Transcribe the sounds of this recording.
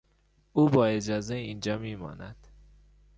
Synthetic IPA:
uːbɒːe̞d͡ʒɒːzeiːnd͡ʒɒːmiːmɒ̰ːnæd̪̥

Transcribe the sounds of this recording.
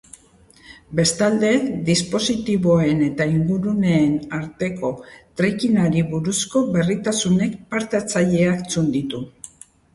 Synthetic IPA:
be̞st̪ald̪e̞d̪ispo̞sit̪iβo̞e̞ne̞t̪aiŋɡuɾune̞ːnaɾt̪e̞ko̞t̪ɾikinaɾiβuɾusko̞βe̞rit̪asune̞kpaɾt̪eat͡saʎe̞akt͡sund̪it̪u

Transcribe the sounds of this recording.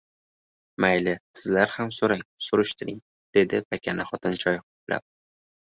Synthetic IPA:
majlɪsɪzlaɾhamsoɾaŋsʊɾʊʃt̪ʰɪɾɪŋ | d̪̥e̞d̪ɪpʰakʲʰanɪχɒt̪ʰɪnt͡ʃʰɒjqopla̰p̚

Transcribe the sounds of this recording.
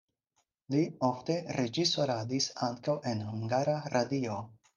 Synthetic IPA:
liofte̞ɾed͡ʒiso̞ɾadisaŋkawʔe̞nhuŋɡaɾaɾʔadio

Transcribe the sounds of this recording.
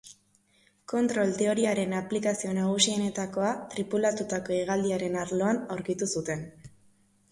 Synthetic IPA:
ko̞nt̪ɾo̞lt̪e̞o̞ɾiaɾe̞naplikasio̞naɣ̞usio̞ne̞t̪ako̞at̪ɾipulat̪ut̪ako̞iɣ̞ald̪iaɾe̞naɾlo̞anawɾkit̪usut̪e̞n

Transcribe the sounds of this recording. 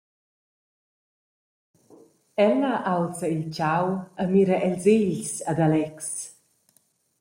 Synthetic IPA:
ɛləʔawsəilt͡ʃawəmiɾəʔɛlzeʎsad̪alɛks

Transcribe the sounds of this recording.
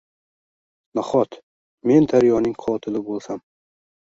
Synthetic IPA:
naχɒt̪ | me̞nd̪ʰaɾjɒnɪŋqʰɒt̪ʰɪlɪbolˠsam

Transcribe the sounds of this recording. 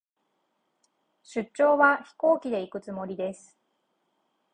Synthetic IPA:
ɕɨt͡ɕt͡ɕːo̞ːβaçi̥ko̞ːkʲid̪e̞ikɯ̟t͡sɨmo̞ɾʲid̪e̞sɨ̥

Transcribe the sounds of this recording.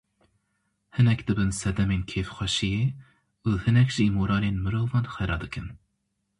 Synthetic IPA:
hɨnɛkd̪ɨbɨnsɛd̪ɛmeːnkʰeːfxʷɛʃijeː | uːhɨnɛkʒ̥iːmoːɾɑːleːnmɨɾoːvɑːnxɛɾɑːd̪ɨkʰɨn

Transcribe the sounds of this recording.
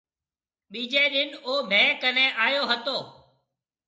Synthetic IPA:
ɓiːd͡ʒeːɗɪnoːbʱẽːkənẽːʔaːjoːɦət̪oː

